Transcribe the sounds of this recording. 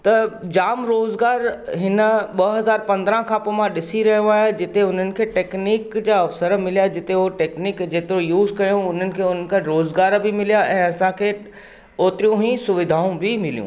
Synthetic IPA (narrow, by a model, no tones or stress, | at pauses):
t̪ɐd͡ʑaːmɾoːzɡaːɾɦɪnə̆ɓɐɦɐzaːɾpɐ̃nd̪əɾãkʰãːpoːmãɗɪsiɾɐɦijõaːɦjed͡ʑɪt̪eʊn̤ənɪ̆kʰeːʈeːkniːkd͡ʑaːɐfsəɾmɪlijad͡ʑɪt̪euoʈeːkniːkd͡ʑeːt̪ɪɾojuːzkɐjõʊn̤ənɪ̆kʰeːʊn̤ən̆kʰãɾoːzɡaːɾbɪmɪlijaʔɛ̃ːɐsãkʰeː | oːt̪ɾijũɦĩsʊʋɪd̪ʱaːũbɪmɪlijṵ̃ː